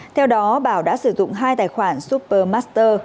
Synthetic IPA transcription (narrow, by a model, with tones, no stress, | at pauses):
t̪ʰɛ˧wɗɔ˨˦ɓaː˧˩wɗa̰ː˧˥sɨ˧˩zʊ̰˧˨ŋ͡mɦaː˧jt̪aː˨˩jxwaː˧˩nsu˦˥p̚pəː˧maː˦˥st̪əː˧